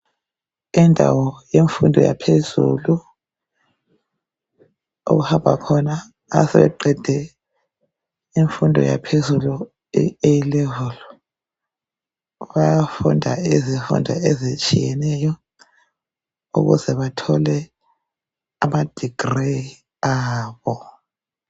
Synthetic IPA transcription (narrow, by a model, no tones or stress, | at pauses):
indʱa̰wɔjeɱfundʱɔ̰ja̰pʰezṵlu | ṵɣuhambʱa̰kʰɔna | a̰sɛβɛ̰ǃɛd̥ʱɛ | iɱfundʱɔ̰ja̰pʰezulu | ejilɛvɔl | βajafundʱa̰iziɱfṵndʱɔ̰ezit͡ʃʼijɛnɛjɔ | ṵɣuzɛβatʰɔlɛ | amad̥ʱiɡ̥re | aːβɔ